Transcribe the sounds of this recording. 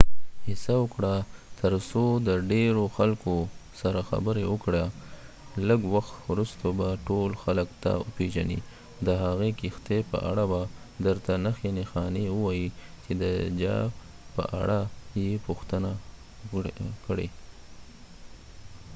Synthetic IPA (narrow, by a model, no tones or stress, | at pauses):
hɪsawəkɽat̪əɾsod̪əɖeɾoxalkosaɾaxa̰bəɾewəkɽa | ləɡwaxt̪wɾust̪obaʈolxaləkt̪a̰ə̰peʒanḭ | d̪əɦaɣekɪxt̪epə̰ʔa̰ɽaba | d̪əɾt̪anaxenexɑnewəwɑjit͡ʃed̪əd͡ʒɑ̰ | pə̰ʔa̰ɽajepuxt̪əna | kɽḛ